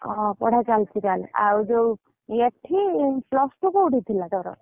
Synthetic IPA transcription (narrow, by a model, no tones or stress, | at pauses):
ɔ̃pɔ̰ɽ̤at͡ɕalt͡ʃʰikala̰wd͡ʒow | jeʈʰːiplɔsʈukouɽit̪ʰilat̪ɔɾɔ̰